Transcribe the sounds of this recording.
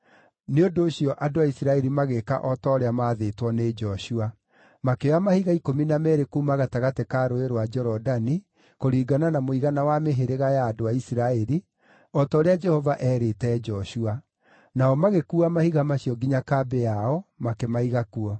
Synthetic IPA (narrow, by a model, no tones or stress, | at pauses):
neondoːɕjɔʔadoaisiɾaɛɾimaɣeka̰ʔɔtɔːɾeamaðetwɔned͡ʒɔɕua | makeamahiɣaikominamɛɾekuːmaɣataɣatekaɾoeɾowad͡ʒɛɾɔdani | koɾiːɡananamoiɣanawameɦeɾeɣajaːdoaisiɾaɛɾi | ɔtɔːɾead͡ʒɛhɔvaʔɛɾetɛd͡ʒɔʃua | naɔmaɣekuamahiɣamaɕiɔɡiɲakabeaɔmakemaiɣakuɔ